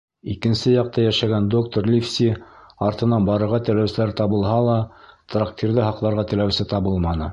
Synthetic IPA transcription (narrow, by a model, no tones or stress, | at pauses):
ikɘ̆nsɘjɑq̚t̪ɑjæʃæɡænd̪ok̚t̪orlʲifsʲiɑɾt̪ɤ̆nɑnbɑɾɤ̆ɾʁɑt̪ɘ̆læwsɘ̆læɾt̪ɑβɤ̆lˠɦɑlˠɑt̪rakt̪ʲʰirðɘɦɑqlˠɑɾʁɑt̪ɘ̆læwsɘt̪ɑβɤlˠmɑnɤ